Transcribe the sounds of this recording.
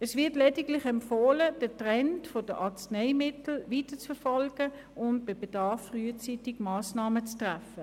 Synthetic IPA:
ɛsʋɪɐtlɛdɪɡlɪχɛmpfoːləd̥ətʁɛntfod̥əʔɑt͡sneɪmɪtl̩viːtət͡sfɛfɔlɡ̥ə | ʔʊntb̥ɪb̥ed̥ɑɐfːryət͡sitɪɡmaːsnaːmət͡stʁafə

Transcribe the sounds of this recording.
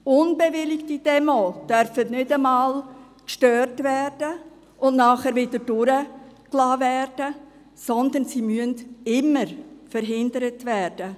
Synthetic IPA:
ʊnbeʋɪlɪktid̥ɛmoːd̥œɾfətnʏdəmɑːl | kʃtøːrtvɛːrd̥ə | ʊnnɑːχɛːɾʋɪdəd̥ʊɾəklɑːvɛːrd̥ə | sɔnd̪ənsimyəndɪməɾfəɾɦɪndəɾətʋɛːrd̥ə

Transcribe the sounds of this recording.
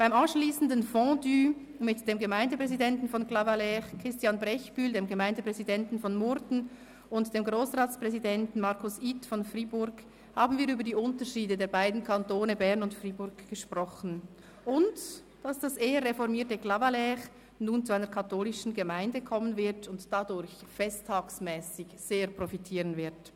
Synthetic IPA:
b̥aɪmɑnʃliːsn̩dənfɔ̃dyː | mɪtd̥eːmɡəmaɪndəpʁ̥ɛzidɛntn̩fɔnklɑvalɛʁkʁ̥ɪstjɑnbʁɛçb̥yːldeːmɡəmaɪndəpʁ̥ɛzidɛntn̩fɔnmʊdn̩ | ʊntd̥eːmɡʁoːsʁaːtspʁ̥ɛzidɛntn̩mɑʁkʰʊsiːtfɔnfriːbʊɾɡ | haːbn̩viːɾyːbɐdiːʊntəʃiːdədeːɐbaɪdn̩kʰantoːnəbɛʁnʊntfriːbʊɐɡɡ̥əʃpʁɔxn̩ | ʔʊnt | d̥ɑsd̥aseːəʁefɔʁmiːɐtəɡlavalɛʁ | nuːnt͡suaɪnəkʰatoːlɪʃn̩ɡəmaɪndəkʰɔmənvɪʁtʊntd̥adʊʁçfɛstʰːaːksmɛːsɪçz̥eːɐpʁofitʰiːʁənvɪɐt

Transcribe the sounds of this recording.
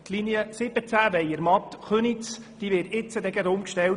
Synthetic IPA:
t̪linjəsɪb̥ət͡sæʋɛjəɾmɑt̪χønit͡s | d̪̥iːʋɪtɪt͡sːəd̪ɛɡæd̪ʊmkʃtɛl

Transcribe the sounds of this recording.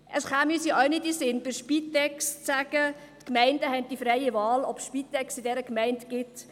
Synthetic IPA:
ʔəsχamysiʔɔʊnɪtisɪnb̥ɪɾʃpitɛkst͡sæɡ̥ə | tkmɛɪndəɦɛn̚d̥ifɾɛɪəvɑːlɔpsʃpit̪ɛksɪdɛɾəkmɛɪntɡ̥ɪt

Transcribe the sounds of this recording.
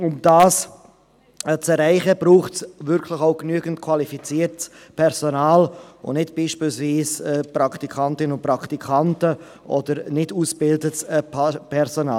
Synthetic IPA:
ʊmd̥aːs | t͡sɛɾɛɪχəb̥ɾuːχtsvʏɾkʰləχaʊknyəɡəntkʰwalifit͡siːɾts | pʰɛɾsonaːlʊ̰nɪtb̥iːʃpiːlsviːsɛːpɾɑktikʰɑntɪnʊnpɾɑktikʰɑntə | ʔɔ̰d̥əɾnɪduːsb̥ɪldətspʰɛɾsɔna̰ːl

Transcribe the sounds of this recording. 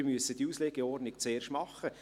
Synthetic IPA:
myəsːəd̥̪iusleɡ̥eɔrdnɪkt͡seːrʃtmɑχːə

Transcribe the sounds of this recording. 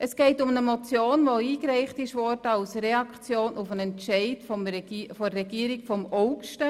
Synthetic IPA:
ʔəsɡ̥ɛɪtʊmnəmɔt͡sjoːnvoiːkɾɛɪχtɪʃʋɔtɑlsɾɛɑkt͡sjoːnʔufənɛntʃɛɪtfɔfɔrɛɡiːəɾɪkfɔmɔʊkʃtə

